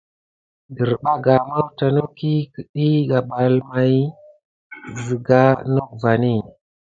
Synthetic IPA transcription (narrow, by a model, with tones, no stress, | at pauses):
di˨ɾɓa˦ɡa˨ma˦wta˨no˦ki˦kə˦ɗi˦ɡa˨ɓa˨lma˨j | zi˨ɡa˦no˦k̚va˨ni˦˨